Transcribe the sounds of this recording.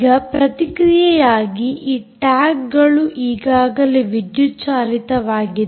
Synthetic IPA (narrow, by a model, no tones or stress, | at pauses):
ɡɐpɾɐt̪ikɾijɐjaːɡiʔiːʈaːkɡɐɭuʔiːɡaːɡɐleʋid̪jut͡ʃaːlit̪ɐʋaːɡi